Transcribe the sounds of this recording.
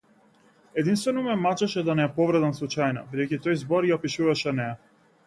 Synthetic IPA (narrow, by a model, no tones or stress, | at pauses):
ɛd̪inst̪vɛnɔmɛmat͡ʃɛʃɛd̪anɛːpɔvɾɛd̪ɛnslˠut͡ʃajna̰bid̪ɛjcit̪ɔjzbɔɾjapiʃuvaʃɛnɛa